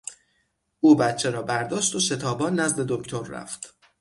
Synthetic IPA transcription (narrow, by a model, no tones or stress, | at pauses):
ʔuːbæt̪t͡ʃʰe̞ɾɒːbæɾd̪ɒːʃt̪o̞ʃe̞t̪ʰɒːbɒːnːæzd̪e̞d̪oct̪ʰo̞ɾːæ̰ft̪